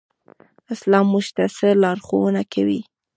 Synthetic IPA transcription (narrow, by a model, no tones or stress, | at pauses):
ɪslɑmːuʒt̪asəlɑɾxowənakʰawi